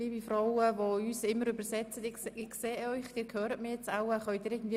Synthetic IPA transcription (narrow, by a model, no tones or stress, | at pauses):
iːbifrawəvoyːsɪmːəɾøbəsɛt͡sətɪsɪχseːœʏχd̥iːɾkʰhøːɾət̚mijɛt͡saʊɛχœʏtdiːɾɪːɡn̩dviː